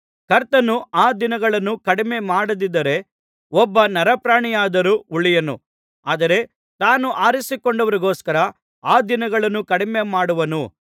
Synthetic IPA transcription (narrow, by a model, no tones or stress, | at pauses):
kɐɾt̪ɐnuaːd̪inɐɡɐɭɐnːukɐɽime̞maːɽɐd̪id̪ɐɾe̞ | ɔbːɐnɐɾɐpɾaːɳijaːd̪ɐɾuuɭijɐnṵ | aːd̪ɐɾe̞ | t̪aːnuʔaːɾisikoɳɖɐʋɐɾiɡoːskɐɾɐ | aːd̪inɐɡɐɭɐnːukɐɽime̞maːɽuʋɐnu